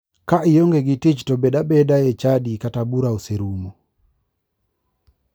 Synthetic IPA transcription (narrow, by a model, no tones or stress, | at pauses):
kaʔijoŋɡeɡitit͡ʃtɔbedabɛdajɛt͡ʃadikatabuɾauseɾumo